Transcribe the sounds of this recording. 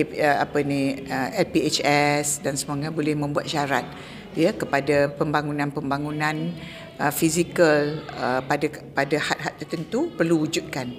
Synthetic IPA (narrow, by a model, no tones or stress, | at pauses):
əa̰pəniəɛlpiet͡ʃɛsdansəmoŋɡabolɛhmə̃mbuat̪̚ʃaɾat̪̚ | jəkəpadapəmbaŋunãnpəmbaŋunãn | ʔəfizikələpadapadahat̪̚ɦat̪t̪ːərt̪ənt̪upərluud͡ʒut̪̚kan